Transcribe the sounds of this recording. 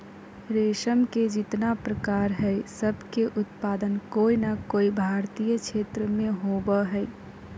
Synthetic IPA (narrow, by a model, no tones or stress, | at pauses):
ɾeʃəmked͡ʒɪt̪napɾəkaɾɦəsəbʱkeʔʊt̪pad̪ənkoinakoːibʱaɾt̪ijət͡ʃʰet̪ɾəmẽɦobəɦəj